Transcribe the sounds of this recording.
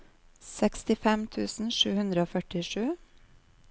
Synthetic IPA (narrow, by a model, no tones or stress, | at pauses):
sɛkst̪ɪfɛmt̪ʰʉːsn̩ʃʉːhʉnd̪ɾəoːfœʈɪʂʉː